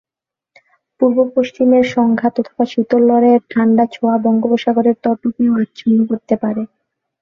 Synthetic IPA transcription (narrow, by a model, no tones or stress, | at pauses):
puɾbopoʃt͡ɕimeɾʃɔŋɡʱat̪ɔt̪ʰo̥baʃut̪olːɔɾeɾʈʰaɳɖat͡ɕʰoabɔŋɡoboʃaɡoɾeɾt̪ɔʈukeoat̪ːɕʰonːokoɾt̪epaɾe